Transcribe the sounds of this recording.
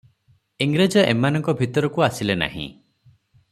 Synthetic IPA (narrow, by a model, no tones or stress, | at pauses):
iŋɡɾed͡ʒɔʔemanɔ̃ŋkɔbʱit̪ɔɾɔkuasilena̰ɦḭ̃